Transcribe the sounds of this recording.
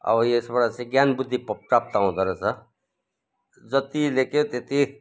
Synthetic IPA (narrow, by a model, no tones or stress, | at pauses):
ʌ̰bʌjesbʌɽat͡sẽɡjanbud̪ʱːippʈap̚t̪aũd̪ʌɾʌt͡sʰʌ | d͡zʌt̪ileket̪et̪i